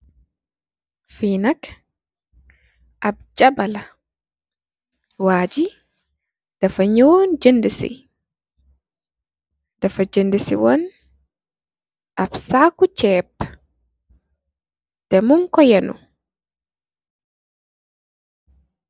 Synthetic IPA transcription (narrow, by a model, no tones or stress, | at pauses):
fiːnak | ʔab̚d͡ʒabala | waːd͡ʒi | d̥afaɲoːnd͡ʒendɛsḭ | dafad͡ʒendisḭwɔn | ʔabsakut͡ʃɛːb | d̥ɛmuŋkɔjɛnṵ